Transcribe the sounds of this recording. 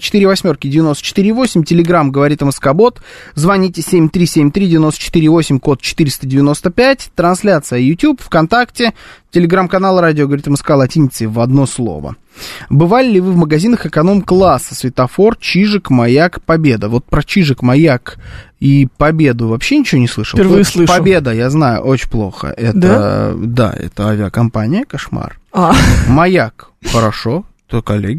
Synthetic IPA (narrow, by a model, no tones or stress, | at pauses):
t͡ɕɪ̥t̪ɨɾʲɪvɐsʲmʲo̞rkʲɪdʲɪvʲɪno̞st̪ət͡ʃɪ̥t̪iɾʲɪːvo̞sʲɪmʲtʲɪlʲɪɡɾamɡəvɐɾʲit̪ɨmɨskɐbo̞t̪zvɐnʲitʲɪsʲemʲt̪ɾʲisʲemʲt̪ɾʲidʲɪvʲɪno̞st̪ə̥t͡ʃɪ̥t̪ɨɾʲɪiːvosʲɪmʲko̞t̪̚t͡ɕɪ̥t̪ɨɾʲɪst̪ədʲɪvʲɪno̞st̪əpʲætʲt̪ɾɐnsʲlʲat̪sɨjəjʊtʲjupfkɐnt̪aktʲɪtʲɪlʲɪɡɾamkɐnalˠəɾadʲɪoɡəvɐɾʲit̪ɨmskalˠɐtʲinʲɪt̪sɨvɐd̪no̞slˠo̞̰və̰ | bɨvalʲɪlʲɪvɨvməɡɐzʲinəxɨkɐno̞mklˠasːə̥svʲɪt̪ɐfo̞rt͡ɕiʐɨkmɐjakpɐbʲe̞d̪əvo̞t̪̚pɾət͡ɕiʐɨkmɐjakipɐbʲe̞d̪ʊvɐpɕːenʲɪt͡ɕɪvʲonʲɪsˠɨʂəlpʲɪrvɨslˠɨʂpɐbʲe̞d̪əjaznajʊ̰ʔot͡ɕɪplˠo̞̰xə̰ʔɛtd̪əd̪a̰ɛ̰t̪əavʲɪəkɐmpanʲɪjəkɐʂma̰ramɐjak | xəɾɐʂo̞t̪okɐlʲːeɡʲɪ